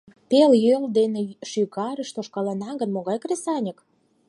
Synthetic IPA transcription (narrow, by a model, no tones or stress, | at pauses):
peljøld̪eneʃyɣɑɾəʃt̪oʃkɑlɑnɑɡə̆nmoɣɑjkresɑnʲək